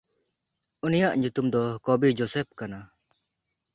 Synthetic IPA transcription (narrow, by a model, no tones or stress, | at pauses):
unijaʔɲut̪umd̪ɔkɔbid͡ʒɔsɛp̚kana